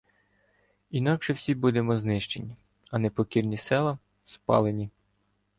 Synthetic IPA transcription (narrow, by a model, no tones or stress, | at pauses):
inɑkʃɛwsʲibud̪e̞mɔznɪʃt͡ʃḛnʲi | ɐnepɔkʲirnʲisɛlˠɐ | spɑ̰lˠenʲi